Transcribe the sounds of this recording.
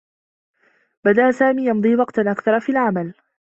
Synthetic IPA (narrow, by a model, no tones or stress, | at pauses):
bad̪aʔasaːmiːjɑmd̪ˤiːwɑqt̪anʔakθɑɾˤɑfiːlʕamal